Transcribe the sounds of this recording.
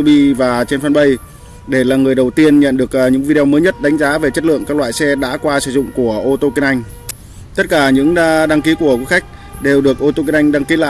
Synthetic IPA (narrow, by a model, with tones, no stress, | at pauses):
ɓi˧vaː˨˩t͡ɕe˧nfə˧nɓə˧j | ɗe˧˩laː˨˩ŋɨ˨˩əjɗə˨˩wt̪i˧ənɲə̰˧˨nɗɨ˨˩ək̚ːɲɨ̰˧˥ŋvi˧ɗwməː˨˦jɲə˦˥t̚ɗa˨˦ŋ̟zaː˨˦ve˨˩t͡ɕə˦˥t̚lɨ̰˧˨əŋkaː˦˥k̚lwa̰ː˧˨jsɛ˧ɗa̰ː˧˥kwaː˧sɨ̰˧˨zʊ̰˧˨ŋ͡mku˧˩əʔo˧t̪o˧ki˧nʔa˧jŋ̟ | t̪ə˦˥t̚kaː˧˩ɲɨ̰˧˥ŋɗa˧ŋki˨˦ku˧˩əki˨˦xa˦˥jk̟̚ | ɗe˨˩wɗɨ˨˩ək̚ʔo˧t̪o˧ki˧nʔa˧jŋ̟ɗa˧ŋki˨˦la̰ː˧˨